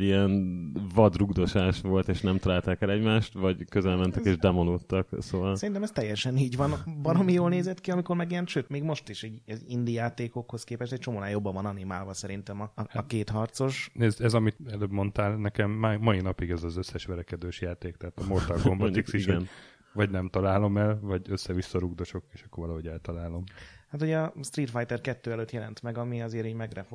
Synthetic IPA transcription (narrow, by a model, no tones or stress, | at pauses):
iɛnvɒd̪ruɡd̪o̞ʃaːʃʋo̞lt̪eːʃnɛmt̪ɒlaːlt̪aːkɛlɛɟmaːʃt̪vɒɟkøzɛlmɛnt̪ɛkeːʒd̪ɛmolot̪ːɒksoːvɒlsɛɾint̪ɛmɛst̪ɛjːɛʃɛniːɟʋɒnbɒlɒmijoːlneːzɛt̪kiɒmikoɾmɛɡijɛnʃøːt̪meːɡmo̞ʃt̪iʃɛɟind̪ijaːt̪eːko̞kho̞skeːpɛʃt̪ɛct͡ʃomoːnaːjo̞bːɒvɒnɒnima̰ːlvɒsɛɾint̪ɛmɒkeːt̪hɒrt̪so̞ʃnezɛzɒmit̪ɛløbmo̞nt̪aːlnɛkɛmːɒinɒpiɡɛzɒzøsːɛʃʋɛɾɛkɛd̪øːʃjaːt̪eːkt̪ɛɦaːt̪ɒmort̪ɒlɡombɔiksiʃʋɛ | vɒɟnɛmt̪ɒlaːlo̞mɛlvɒɟøsːɛvisːɒɾuɡd̪o̞ʃo̞keːʃɒkːoɾvɒlɒɦo̞ɟɛlt̪ɒlaːlo̞mhat̪hoɟɒst̪rit̪fajt̪ɛrkɛt̪ːøːɛløːt̪jɛlɛnt̪mɛɡɒmiɒzeːɾiːɟmɛɡrɛfo